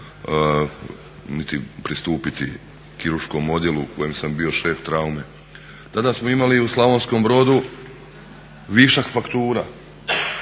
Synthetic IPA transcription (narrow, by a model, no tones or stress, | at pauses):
nit̪ipɾist̪uːpit̪ḭ | kiɾuɾʃko̞mo̞d̪je̞luko̞jemsambio̞ʃe̞ːft̪ɾaume̞ | t̪ad̪asmoimaliuslˠaʋo̞nsko̞mbɾo̞d̪u | ʋiʃakfakt̪uːɾa̰